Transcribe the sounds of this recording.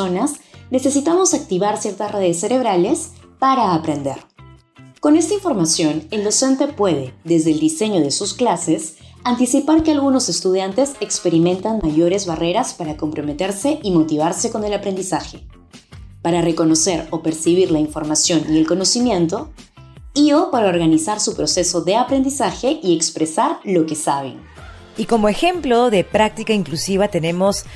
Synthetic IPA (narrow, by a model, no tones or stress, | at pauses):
onasne̞se̞sit̪amo̞sak̚t̪iβaɾsje̞ɾt̪asre̞ðesːe̞ɾe̞β̞ɾale̞s | paɾaːpɾe̞nd̪e̞̰ɾ | ko̞ne̞st̪aiɱfo̞ɾmasjo̞ne̞ld̪o̞se̞nt̪e̞pwe̞ð̞e̞ðe̞zðeld̪ise̞ɲo̞ðe̞susklase̞sant̪isipaɾke̞alɣuno̞se̞st̪uð̞jant̪e̞sekspe̞ɾimẽ̞nt̪anmaʝo̞ɾe̞zβare̞ɾaspaɾako̞mpɾo̞me̞t̪e̞ɾseʔimo̞t̪iβ̞aɾse̞ko̞ne̞lapɾe̞nd̪isaxe̞̥ | paɾare̞kono̞se̞ɾo̞pe̞ɾsiβ̞iɾlaiɱfo̞ɾmasjo̞nie̞lko̞no̞simjẽ̞nt̪o̞ | io̞paɾao̞ɾɣanisaɾsupɾo̞se̞so̞ðe̞apɾe̞nd̪isaxe̞ʔiekspɾe̞saɾlo̞ke̞saβ̞e̞̰ŋ | iko̞moexe̞mplo̞ðe̞pɾak̚t̪ikaiŋklusiβat̪e̞ne̞mo̞s